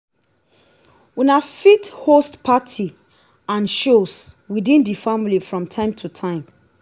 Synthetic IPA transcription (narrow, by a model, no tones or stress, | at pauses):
winafithostpʰatʰi | ãnʃoswidĩndifamlifɹɔ̃mtʰãɪ̃mtʰutʰãɪ̃m